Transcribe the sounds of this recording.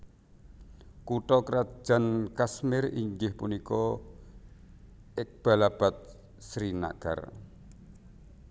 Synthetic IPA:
kuʈɔkɾḁʒ̥a̤nkasmɪrḭɲd͡ʒɪhpunikɔ | ɪk̚b̥a̤lab̥a̤t̪̚ | sɾina̰ɡ̥a̰r

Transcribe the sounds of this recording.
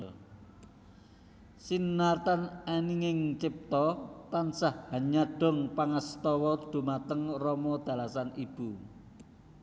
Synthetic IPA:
sinːart̪ananiŋɪŋt͡ʃɪp̚t̪ɔt̪ansahhaɲaɖ̥ɔ̤ŋpaŋəst̪ɔwɔd̪̥ṳmat̪əŋrɔmɔd̪̥ä̤lasanib̥u

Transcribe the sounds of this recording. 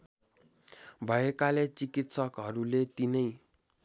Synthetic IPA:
bʱʌjekalet͡sikit̪sʌkɦʌɾulet̪inʌj

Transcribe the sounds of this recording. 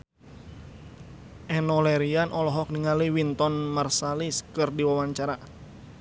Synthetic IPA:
ʔɛnɔlɛɾianʔɔlɔɦɔk̚niŋaliwint̪ɔnmarsaliskɨrdiwawaɲt͡ʃaɾa

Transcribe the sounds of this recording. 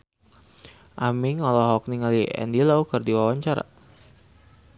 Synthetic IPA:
ʔamiŋɔlɔɦɔk̚niŋaliɛ̰ndilaukərdiwawaɲt͡ʃaɾa̰

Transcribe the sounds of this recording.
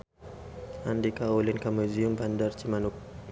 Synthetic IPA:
andikaulinkamuziumbandaɾt͡ʃimanuk̚

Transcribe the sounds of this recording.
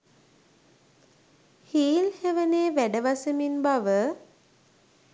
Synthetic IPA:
hiːlheʋəneːʋæɖəʋasəminbaʋə

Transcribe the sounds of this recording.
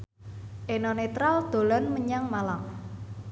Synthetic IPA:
ʔenɔnet̪ɾald̪̥o̤lanməɲaŋmalam

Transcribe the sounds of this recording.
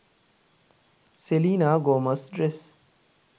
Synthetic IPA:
seliːnaːɡoːmɐsɖɾes

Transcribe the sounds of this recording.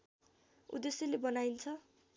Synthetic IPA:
ṵd̪esilebʌnaint͡sʰʌ

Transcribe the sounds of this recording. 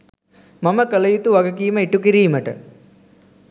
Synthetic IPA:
mɐmɐkəlɐjut̪uʋɐɡɐkiːməiʈːukiɾiːməʈɨ̰

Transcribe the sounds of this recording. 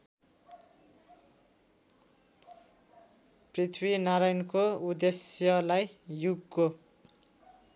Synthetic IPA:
prit̪ʰwinaɾajnkoud̪esjʌlajjuɡko

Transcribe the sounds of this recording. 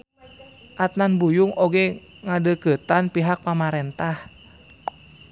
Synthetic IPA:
ʔat̪̚nanbujʊŋoɡɛ | ŋadəkət̪anpiɦak̚pamaɾɛnt̪ah

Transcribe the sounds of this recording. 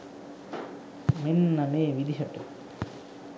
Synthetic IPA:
menːameːʋid̪iɦɐʈə

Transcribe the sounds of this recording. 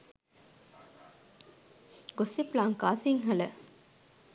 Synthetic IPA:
ɡosiplaːŋkaːsiŋɦɐlə

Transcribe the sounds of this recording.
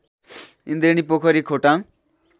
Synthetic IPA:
ind̪enipokʰʌɾikʰoʈãŋ

